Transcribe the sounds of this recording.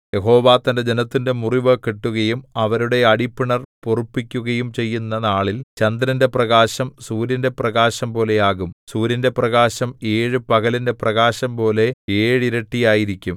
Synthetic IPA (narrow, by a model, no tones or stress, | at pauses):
jeɦo̞ːʋaːt̪ːɐnded͡ʑenɐt̪ːinde̞muriʋɐkiʈːuɣɐjumɐʋɐɾuɽe̞ɐɽipːiɳɐrporupːikʲːuɣɐjumt͡ɕe̞jːunːɐnaːɭilt͡ɕɐnd̪ɾɐnde̞prɐɣaːɕɐmsuːɾɐnde̞prɐɣaːɕɐmpo̞ːle̞jaːɣumsuːɾɐnde̞prɐɣaːɕɐme̞ːɻɨpɐɣɐlinde̞prɐɣaːɕɐmpo̞ːle̞eːɻiɾɐʈːijaːjiɾikʲːum